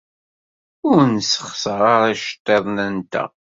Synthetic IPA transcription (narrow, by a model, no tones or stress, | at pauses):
ʊɾnsəχsəʁaɾˤaʃə̥t̪ˤːeðˤnænt̪æ̰